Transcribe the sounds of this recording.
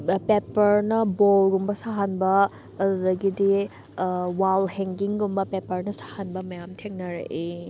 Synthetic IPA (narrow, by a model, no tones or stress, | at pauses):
pepɐɾnɐbolɡumbɐsaɦanbɐː | dudɐɡidi | walheŋɡiŋɡumbɐpepɐɾnɐsḁhanbɐmɐjamtʰeŋnɐɾɐ̰ʔe